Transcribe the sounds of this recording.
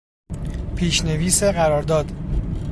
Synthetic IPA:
pʰiːʃne̞viːseɣæɾɒːɾd̪ɒːd̪̥

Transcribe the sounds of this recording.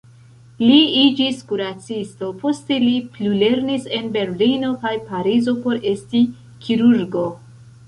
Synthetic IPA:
liid͡ʒiskuɾat͡sisto̞po̞ste̞liplule̞ɾnise̞nbe̞ɾlino̞kajpaɾizo̞po̞ɾe̞sti | kʰiɾuɾɡo̞

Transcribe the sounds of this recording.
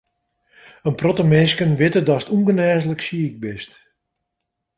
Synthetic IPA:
ənprɔtəmɪskənʋɪtədɔsə̥tuŋɡənɛːzələksiək̚bɪst

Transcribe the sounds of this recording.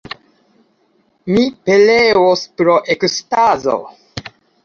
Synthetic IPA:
mipelewospɾoʔekstazo̰

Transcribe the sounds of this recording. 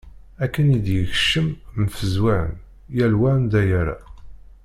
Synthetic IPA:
ækːənid̪jəçʃəmmfəzwaʕə̰n | jælwænd̪æjæɾa̰

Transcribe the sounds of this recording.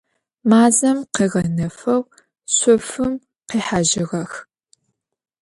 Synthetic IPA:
maːzɐmqiːʁɐnɐfɐw | ɕʷʼʊfɨm | qiːħaʒɪʁɐx

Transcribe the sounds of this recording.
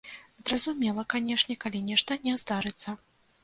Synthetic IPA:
zɾɐzumʲɛlˠɐkanʲɛʂnʲɛkalʲinʲɛʂt̪ɐnʲɛzd̪aɾɨt̪sːɐ

